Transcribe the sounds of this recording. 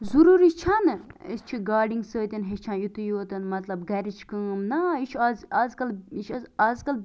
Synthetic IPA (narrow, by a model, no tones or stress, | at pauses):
zuɾuɾit͡ʃʰɐnɨist͡ʃʰiɡaːɖiŋɡsəːt̪ʲinɦet͡ʃʰãnjut̪ujoːt̪ɐnmɐt̪lɐbɡɐɾit͡ʃʰkəːmnɐit͡ʃʰazaːzkɐlit͡ʃʰaːzkɐl